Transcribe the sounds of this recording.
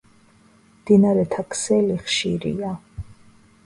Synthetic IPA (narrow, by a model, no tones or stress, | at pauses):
md̪inaɾɛt̪ʰakʰsɛliχʃiɾḭa